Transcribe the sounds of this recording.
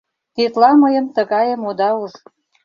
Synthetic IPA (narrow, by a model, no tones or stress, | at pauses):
t̪et̪lɑməjə̆mt̪əɣɑjə̆mod̪ɑuʒ